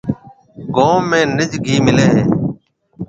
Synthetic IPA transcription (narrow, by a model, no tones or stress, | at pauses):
ɡoːmẽːnɪd͡ʒɡʱiːmɪleːɦẽː